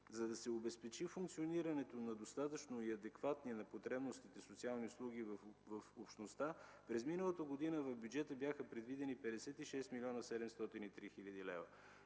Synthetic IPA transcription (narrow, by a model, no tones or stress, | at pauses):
zɐd̪ɐsɛobɛspɛt͡ʃifuŋkt̪sioniɾɐnɛt̪onɐd̪ost̪at̪ət͡ʃnoiɐd̪ɛkvat̪niɛnɐpot̪ɾɛbnost̪it̪ɛsot̪sialˠniʊslˠuɡ̟ivvɐfopʃt̪nost̪apɾɛzminəlˠət̪əɡod̪inəvɐvbʲjud͡ʒɛt̪əbʲjaxəpɾɛd̪vid̪ɛnipɛd̪ɛsɛt̪iʃɛst̪milʲɔnəsɛd̪ɛmst̪ɔt̪init̪ɾixilʲəd̪ilɛvə